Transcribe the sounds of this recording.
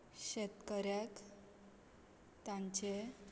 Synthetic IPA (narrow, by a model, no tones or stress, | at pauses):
ɕet̪kəɾjak | t̪ãɲt͡ɕe